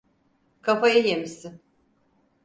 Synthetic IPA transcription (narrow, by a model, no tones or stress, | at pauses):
kʰafajajemisin